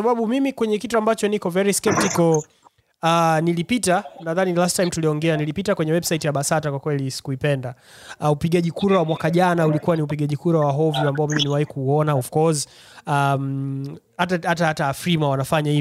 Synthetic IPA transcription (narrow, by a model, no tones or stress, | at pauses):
aɓaɓumimikwɛɲɛkituambat͡ʃɔnikɔvɛɾiskɛp̚tikɔl | anilipitanaðanilastajmtuliɔŋɡɛanilipitakwɛɲɛwɛbsaitijaɓasatakwakwɛlisi̥kuipɛnda | upiɠaʄikuɾawamwakaʄanaulikuwaniupiɠaʄikuɾawaɦɔvuambaɔmiminiwahikuːɔnaɔfkɔz | am | hatahatahataːfɾimawanafaɲahi